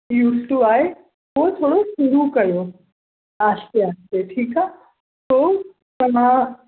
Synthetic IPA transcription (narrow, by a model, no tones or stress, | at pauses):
juːsʈuaːɦe | ʋot̪ʰoːɽoʃuɾukɐjo | aːst̪eaːst̪eʈʰiːkaː | t̪o | pɐnã